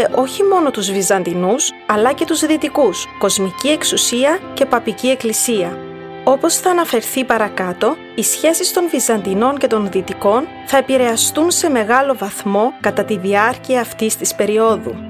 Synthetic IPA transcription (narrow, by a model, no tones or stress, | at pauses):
eʔo̞çimo̞no̞t̪uzvizɐnd̪inus | ɐlɐce̞t̪uzðit̪ikusko̞zmicie̞ksusiɐce̞pɐpicie̞klisiɐ | o̞po̞sθɐːnɐfe̞ɾθipɐɾɐkɐt̪o̞ | isçe̞sist̪o̞nvizɐnd̪ino̞ɲce̞t̪o̞nðit̪iko̞n | θɐe̞piɾe̞ɐst̪unse̞me̞ɣɐlo̞vɐθmo̞kɐt̪ɐt̪iðiɐɾciɐːft̪ist̪ispe̞ɾio̞ðṵ